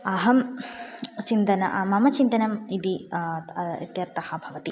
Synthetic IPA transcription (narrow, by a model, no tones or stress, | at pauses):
ɐɦɐm | t͡ʃint̪ɐnɐ̰ʔmɐmɐt͡ʃint̪ɐnɐmid̪i | ḭt̪jɐɾt̪ɐhɐ̆bʱɐʋɐt̪i